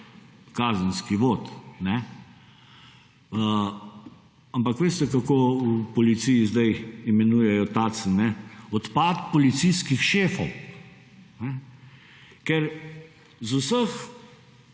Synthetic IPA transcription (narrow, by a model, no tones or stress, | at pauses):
kaːzənskiʋoːt̪nɛ | ə | ampɐkʋeːst̪ɛkakoːupɔlit̪sijizd̪ajimɛnuːjɛjɔt̪aːsnːɛɔt̪paːt̪pɔlit̪siskixʃeːfɔw | nɛ | kɛɾ | zusəx